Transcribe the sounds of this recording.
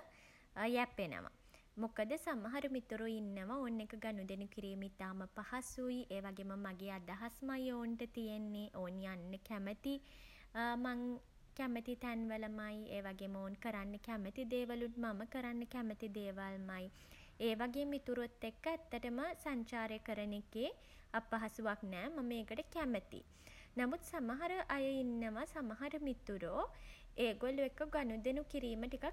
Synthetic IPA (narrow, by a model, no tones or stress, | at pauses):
jæpːenə̰ʋa̰ | mokəd̪əsamaɦaɾumit̪uɾuinːəʋaoːnːekəɡanud̪enukiɾiːmit̪aːməpahasujʔeːʋaɡeːməmaɡeːad̪aɦasmajoːɳʈət̪ijenːeʔoːnjanːəkæmət̪i | maŋ | kæmət̪it̪ænʋələmajeːʋaɡeːməoːnkəɾanːəkæmət̪id̪eːʋalunmaməkəɾanːəkæmət̪id̪eːʋalmaj | eːʋaɡeːmit̪uɾot̪ːekːəæt̪ːəʈəməsaɲt͡ʃaːɾəkəɾənekeː | apɐɦasuʋak̚nɛːmɐməeːkəʈəkæmət̪ḭ | namut̪samaɦaɾəʔajəinːəʋasamɐɦɐɾəmit̪uɾoː | eːɡoluekːəɡanud̪enukiɾiːməʈikak̚